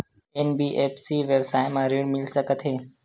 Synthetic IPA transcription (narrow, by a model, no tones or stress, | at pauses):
eːnbiːʔeːpsiːʋeːbsaːemãːɾiːɽmɪlsəkət̪ʰɦeː